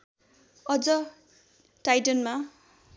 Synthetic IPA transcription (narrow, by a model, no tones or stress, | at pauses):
ʌd͡zʌ | ʈajʈʌnma